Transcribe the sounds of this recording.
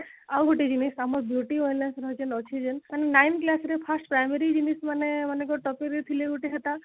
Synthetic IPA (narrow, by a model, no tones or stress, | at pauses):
awɡʱoʈid͡ʒinisamɔbʱjuʈiojnlansɾɔt͡ʃənɔksid͡ʒənaninajnklasɾepʰasʈpɾajmeɾid͡ʒinismanemanekɔʈɔpiɾet̪ʰileɡoʈiɦat̪a